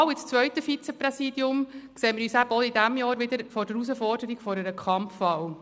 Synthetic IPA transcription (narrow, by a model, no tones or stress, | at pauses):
wɪt͡st͡sʋœʏtəfit͡sɛpɾɛsidjʊmkseːmɪɾyːsæbɔid̪æmjɑːɾʋɪd̪əɾfɔɾdəɾusəfɔrd̥əɾiɡfɔɾəɾəkʰχɑmfːɑw